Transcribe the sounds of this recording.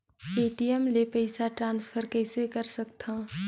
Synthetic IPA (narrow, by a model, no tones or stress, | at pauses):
eːʈiɛmlepɛɪsaʈɾãːnsfʰəɾkɛɪsekɐɾsɐk̚t̪ʰaː